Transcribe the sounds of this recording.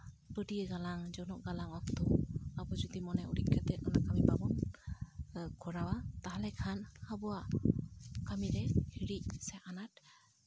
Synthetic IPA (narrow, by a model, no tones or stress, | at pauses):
pədiəɡalaŋd͡ʒɔnɔʔ̚ɡalaŋɔk̚t̪ɔabɔd͡ʒɔd̪imɔnɛuɾiʔ̚kʰat̪ɛt̚ɔnakamipabɔn | kʰɔɾawat̪aɦalɛkʰanhabɔwa | kamiɾɛhiɾic̚sɛʔanat̚